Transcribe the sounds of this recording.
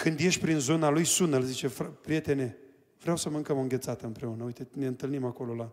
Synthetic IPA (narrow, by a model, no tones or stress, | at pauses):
kɨnd̪je̞ʃʲpɾinzo̞nalujsunəlzit͡ʃe̞fapɾije̞t̪e̞ne̞ | vɾeawsəmɨŋkəməɨŋɡʲe̞t̪sat̪əɨmpɾe̞unəujt̪e̞neɨnt̪ɨlnimako̞lo̞la